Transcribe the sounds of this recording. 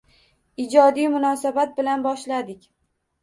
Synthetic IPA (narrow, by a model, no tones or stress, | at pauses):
ɪd͡ʒɒd̪ijmʊnɒsabat̪̚bɪlanbɒʃlad̪ɪkʲ